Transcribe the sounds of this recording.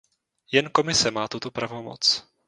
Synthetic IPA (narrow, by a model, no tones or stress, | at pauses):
jɛnko̞mɪsɛmaːt̪ut̪o̞pɾavo̞mo̰t͡s